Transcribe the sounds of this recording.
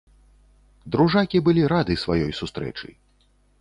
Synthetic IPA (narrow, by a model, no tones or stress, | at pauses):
d̪ɾuʐakʲibɨlʲiɾad̪ɨsvajɔjsust̪ɾɛ̰t͡ʂɨ̰